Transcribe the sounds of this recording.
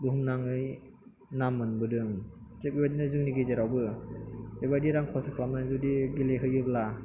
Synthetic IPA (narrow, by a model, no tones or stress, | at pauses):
buɦumnaŋɯj | namːɯnbɯdɯŋt͡ʃep̚ibadinɯzɯŋniɡezeɾawbɯ | ibadiɾaŋkʰɔsakʰlamnazudiɡileɦɯjɯbla